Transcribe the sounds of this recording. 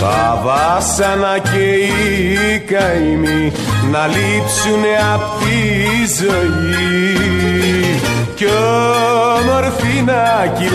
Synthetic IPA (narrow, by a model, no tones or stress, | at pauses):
ɐ̰vɐsɐnɐceikɐimi | nɐlipsuneɐft̪izoji | co | moɾθinɐci